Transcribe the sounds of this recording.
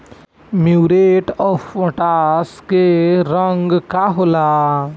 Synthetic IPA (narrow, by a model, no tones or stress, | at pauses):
mjuːɾeːʈɔːfoʈaːskeɾəŋɡkaɦola